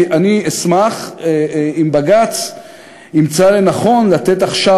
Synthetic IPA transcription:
aniesmaχ | imbaɡat͡s | nimt͡salenaχo̞nlat̪e̞t̪̬aχʃa

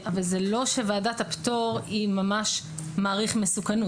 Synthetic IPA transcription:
ʔavalzelo̞ʃevaːdathapto̞ʁimamaʃ | maːʁiχmesukanu

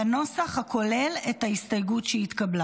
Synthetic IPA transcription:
ano̞saχhakʰo̞le̞lethahistajɡutʃeit̪kabla

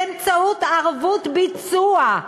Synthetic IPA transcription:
emt͡saut̪aʁvut̪bit͡sua

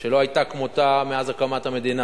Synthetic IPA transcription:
ʃelo̞ajt̪akmot̪ameazakamathame̞d̪ina

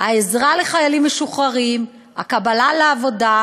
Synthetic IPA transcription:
haezʁale̞χajalimːeʃuχaʁim | a̰kabalaleavo̞da

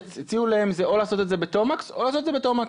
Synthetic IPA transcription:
t͡sit͡siulaemzeʔo̞laːso̞t̪etzebet̪omakso̞laːsot̪edzebet̪omak

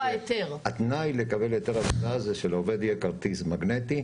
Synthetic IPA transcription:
ajet̪eʁat̪najle̞kabeljot̪eʁavonazeʃelove̞d̪jekaʁt̪izmaɡnet̪i

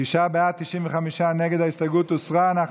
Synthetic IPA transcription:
iʃabeat̪iʃimvəχamiʃanɛɡɛd̪aɪst̪aɡuːt̪ʊsʁanaχ

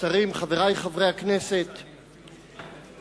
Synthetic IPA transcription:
taʁimχaveʁajχavʁejhakne̞se̞t̪

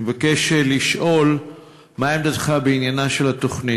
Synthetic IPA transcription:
evakeʃeliʃʔo̞l | maemd̪atχabeinjanaʃelat̪o̞χni

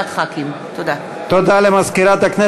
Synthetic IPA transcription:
t̪χakim | t̪od̪a | t̪od̪aːlemɐskiɾat̪ɐkne

